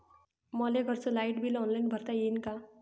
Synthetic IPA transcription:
mɔleɡʱʌɾt͡solaiʈbʱilɔnlainbʱəɾt̪ajinka

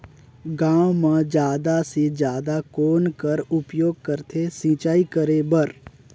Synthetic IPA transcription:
ɡãːwmãd͡ʒjaːd̪ased͡ʒjaːd̪akoːnkəɾʊpjoːɡ̚kəɾt̪ʰesĩːt͡ʃaːikəɾebəɾ

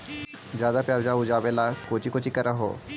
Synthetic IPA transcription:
d͡ʒjaːd̪apjaːbd͡ʒaʊd͡ʒaːbelakoːt͡ʃikoːt͡ʃikəɾaɦo̰ː

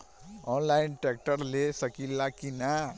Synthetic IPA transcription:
ɔnlaɪinʈɛk̚ʈəɾlesəkilakina

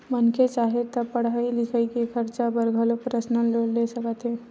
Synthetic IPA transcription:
mənket͡ʃaːɦet̪əpəɽ̤aːilɪkʰəikikʰəɾt͡ʃabəɾɡʱəlopɾəsnəloːlesəkət̪ɦɛː

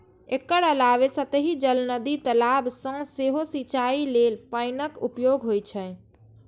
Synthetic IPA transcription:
ekːəɾəlaʋesət̪əɦid͡ʒəlnəd̪it̪əlabsə̃seɦosit͡ʃailelpaɪnəkupjoɡɦojt͡ʃʰɛ

